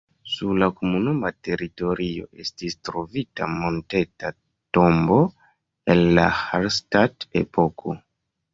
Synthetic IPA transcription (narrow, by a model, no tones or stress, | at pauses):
suɾlakomunumate̞ɾito̞ɾʔio̞̰ʔe̞stistɾo̞vita̰mo̞nte̞ta | to̞mbo̞ | enla̰halstatḛpʰo̞kʰo̞